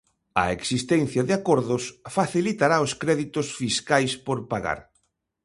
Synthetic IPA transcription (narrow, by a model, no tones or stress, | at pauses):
ɐ̰eksist̪ɛnθjɐðɪakoɾðʊsfaθilit̪aɾaoskɾɛðit̪ʊsfiskajspoɾpaɣa̰ɾ